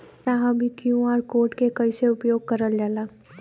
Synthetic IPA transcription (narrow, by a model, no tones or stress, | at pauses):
t̪aɦãbʱikjũaːɾkoːʈkekɐiseʊpjoːɡ̚kɐɾəld͡ʒaːlaː